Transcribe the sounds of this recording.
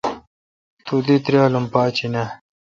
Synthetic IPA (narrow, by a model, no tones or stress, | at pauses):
t̪ud̪it̪ɾjaːlumpaːt͡ɕinɐ